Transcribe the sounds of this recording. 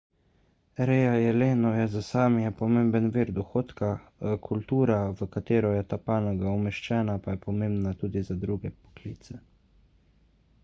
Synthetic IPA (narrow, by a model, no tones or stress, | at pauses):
ɾeːjajɛleːnɔjɛzasaːmjɛpɔmembənviːɾd̪ɔxoːt̪kakʰult̪uːɾaʋəkat̪eːɾɔjɛt̪aːpaːnɔɡaumɛʃt͡ʃɛːnapajɛpɔmembnat̪uːd̪izad̪ɾuːɡɛpɔ̥klḭːt̪sɛ